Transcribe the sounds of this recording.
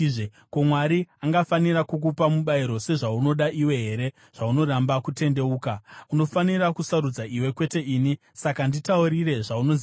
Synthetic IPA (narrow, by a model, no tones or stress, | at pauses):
ʐe | komwaɾiaŋɡafaniɾakuk̬upamuɓaiɾo̞se̞ʐauno̞ɗaʔiwe̞ɦe̞ɾe̞ | ʐ̥auno̞ɾambakute̞nde̞uːkauno̞fanirakusaɾud͡zaʔiwe̞kwe̞te̞ʔiːni | sakanditauɾire̞ʐaunoz